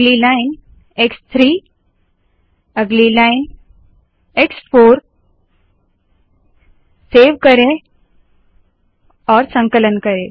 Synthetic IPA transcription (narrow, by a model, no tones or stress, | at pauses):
lilain | ekst̪ʰɾiː | əɡlilain | eksfoɾ | seʋkəɾe | ɔːɾsə̃ŋkələnkəɾẽ